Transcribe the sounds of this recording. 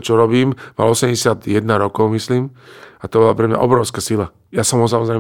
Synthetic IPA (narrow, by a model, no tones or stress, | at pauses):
t͡ʃɔɾɔbiːmma̰lɔɔsɛmɟɛsɪad̪jɛd̪naɾɔkɔʊmisliːmat̪ɔbɔlapɾɛmɲa̰ʔɔ̰bɾɔʊskasila | jasɔmɔs̬amɔzɾɛj